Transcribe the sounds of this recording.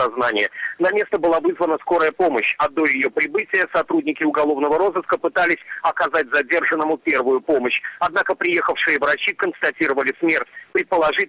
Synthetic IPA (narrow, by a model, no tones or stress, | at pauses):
ɐznanʲɪjənɐmʲe̞st̪əbɨlˠavɨzvənəsko̞ɾəjəpo̞məɕɐd̪o̞jɪjo̞pɾʲɪbɨtʲɪjəsɐt̪ɾudʲnʲɪkʲɪʊɡɐlˠo̞vnəvəɾo̞zɨskəpɨt̪alʲɪsʲɐkɐzat̚ʲzɐdʲe̞rʐɨnːəmʊpʲe̞rvʊjʊpo̞məɕɐd̪nakəpɾʲɪje̞xəfʂɨjəvɾɐt͡ɕikənst̪ɐtʲiɾəvəlʲɪsmʲe̞rtʲpɾʲɪt̪̚pəlˠɐʐɨ